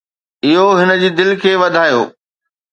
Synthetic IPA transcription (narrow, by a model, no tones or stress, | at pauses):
ɪɦoɦɪnə̆d͡ʑiːd̪ɪlkʰeːʋɐd̪ʱaːjo̰ː